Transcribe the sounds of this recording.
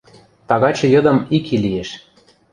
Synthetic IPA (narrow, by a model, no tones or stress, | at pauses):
t̪ɑɣɑt͡ɕɤ̆jɤ̆d̪ɤ̆mikʰilijeʃ